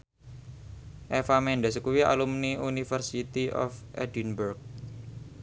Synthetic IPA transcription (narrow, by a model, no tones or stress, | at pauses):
ʔefamɛɳɖəs̬kuwia̰lumniunifərsit̪iʔɔ̰fʔɛ̰dinburk̚